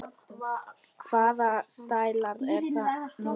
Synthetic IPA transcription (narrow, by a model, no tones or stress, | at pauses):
kʰv̥aːðast̪aːjlaɾθa